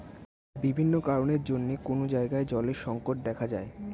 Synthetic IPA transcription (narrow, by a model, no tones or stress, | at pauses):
bibʱinːokaɾoneɾd͡ʑonːekonod͡ʑaeɡaed͡ʑɔleɾʃɔŋkoʈ̚d̪ɛkʰad͡ʑae